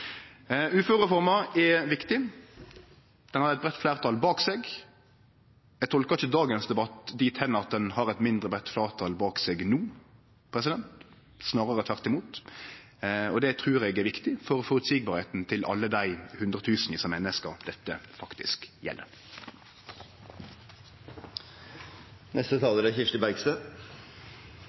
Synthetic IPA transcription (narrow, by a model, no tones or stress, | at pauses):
ʉːfʉʁɛfɔʁmɑɛʋɪkt̪ɪ | d̪̥ɛnhɑɾɛt̪̚bʁɛt̪ːflæːʁt̪ʰɑːlbɑːkseːɡ | ɛt̪ʰɔlkəɪçəd̪ɑːɡənsd̪ɛbɑt̪d̪iːt̪hɛnːəɑt̪̚d̪ɛnhɑʁɛt̪mɪnd̪ʁəbʁɛt̪ːflæːʁt̪ʰɑːlbɑːksɛːɡnuː | pʰʁɛs̬ɪd̪ɛnt̪ | snɑːɾəʁɛt̪ʰʋæʁt̪ɪmuːt̪ | ɔd̪ɛt̪ʰʁʉːʁɛːɡæʋɪkt̪ɪfɔʁɔfɔʁʉt̪siːɡ̚bɑːɾheːt̪n̩t̪ʰɪlʔɑ̰lːəd̪æɪhʉnd̪ʁət̪ʰʉːsn̩ɪsɑmɛnːəskɑd̪̥ɛt̪ːəfɑkt̪ɪ̰skjɛ̰lʔə̰ | nʔɛst̪ət̪ʰɑːləɾæçɪʂt̪əbæɡsə